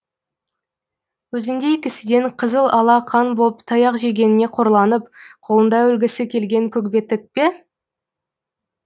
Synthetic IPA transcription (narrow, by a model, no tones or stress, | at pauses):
wɵzɪnd̪e̞kʲɪsɪd̪e̞ɴqʰəzəlˠɑlˠɑqʰɑnbopt̪ʰɑjɑqʒe̞ɡʲe̞nɪne̞qʰo̞ɾlˠɑnəp̚qʰo̞lˠənd̪ɑɵlɡʲɪsɪkʲʰe̞lɡʲe̞ŋkʲʰɵkbe̞t̪ɪk̚pe̞